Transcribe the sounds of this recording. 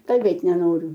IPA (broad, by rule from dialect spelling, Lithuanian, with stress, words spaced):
kɐlʲˈbʲeːtʲ nʲɛˈnoːrʲʊ